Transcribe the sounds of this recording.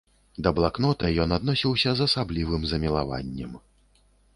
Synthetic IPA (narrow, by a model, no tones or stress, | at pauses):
d̪ɐblˠaknɔt̪ɐjɔnad̪nɔsʲiwsʲɐzɐsablʲivɨmzɐmʲilˠa̰va̰nʲːɛm